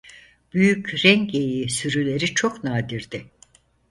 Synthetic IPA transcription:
b̥yjycʲɾɛŋcejisyɾylʲe̞ɾit͡ʃʰo̞knaːd̪iɾd̪ɪ

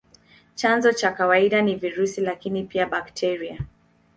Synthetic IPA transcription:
t͡ʃanzɔt͡ʃakawaiɗaniviɾusilakinipiaɓaktʰɛɾia

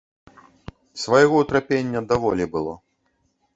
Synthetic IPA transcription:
svajɣɔut̪ɾapʲenʲːɐd̪avɔlʲibɨlˠɔ

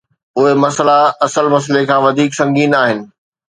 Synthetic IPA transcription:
ʊɦemɐslaɐsəlmɐs̬lekʰãːʋɐd̪ʱiːksɐ̃ŋɡiːnaːɦɪnɪ̆

